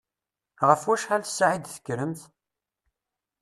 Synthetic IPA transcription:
ʁəfwæʃħælθə̥sːʕid̪θə̥kːɾəmθ

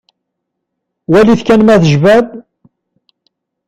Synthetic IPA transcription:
wæliθkænmæθəʒvæð

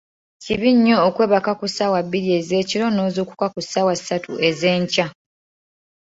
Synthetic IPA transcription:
ciβiɲːo̞ːkwe̞ːβakakusawabːiɾie̞ze̞ːciɾo̞no̞ːzuku̥kakusawasatṵe̞ze̞ːɲca

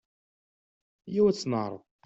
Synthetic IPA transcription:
jiwæt͡sːnəʁɾˤə̰ðˤ

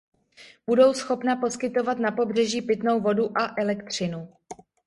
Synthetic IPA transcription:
b̥udo̞wsxo̞pnapo̞skɪt̪o̞vat̪napo̞br̝ɛʒiːpɪt̪no̞wvo̞duʔaʔɛlɛkt̪r̝̥ɪnu

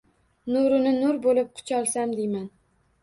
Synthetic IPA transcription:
nʊɾʊnɪnʊɾbolɪp̚qʰʊ̥t͡ʃʰɒlˠsamd̪ejman

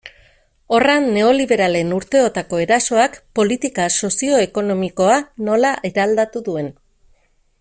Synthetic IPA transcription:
o̞ranːe̞o̞liβe̞ɾale̞nuɾt̪e̞o̞t̪ako̞e̞ɾaso̞akpo̞lit̪ikaso̞sio̞e̞ko̞no̞miko̞ano̞laʔeɾald̪at̪uðue̞n

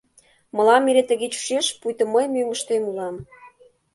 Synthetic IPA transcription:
mɤ̆lɑmiɾet̪ə̆ɣet͡ɕu̥ʃeʃpujt̪ə̆məjmymə̆ʃt̪emulɑm

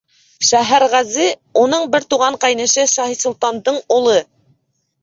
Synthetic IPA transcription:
ʃæɦæɾʁæzɘunɤɴbɘɾt̪uʁɑɴqɑjnɤ̆ʃɘʃɑhisŭlˠt̪ɑnd̪ɤɴulˠɤ

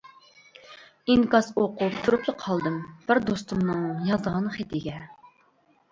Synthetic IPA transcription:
iŋkɑsoqʰupt̪ʰuɾuplˠəqʰɑlˠd̪ɨmb̥ɪɾd̪ost̪umnɨŋjɑzd̪əʁɑnχed̪iɡʲɛ

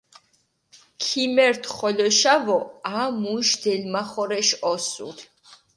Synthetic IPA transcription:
kʰimɛɾt̪ʰχɔlɔʃavɔaːmuʃd̪ɛlmaχɔɾɛʃɔsṵɾ

